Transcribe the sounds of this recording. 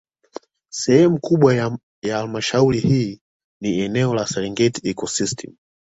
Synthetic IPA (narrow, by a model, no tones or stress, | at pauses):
sɛhɛmukuɓwa | jaalmaʃaulihiː | niɛnɛɔlasɛlɛŋɡɛtiɛkɔsistʰɛ̰m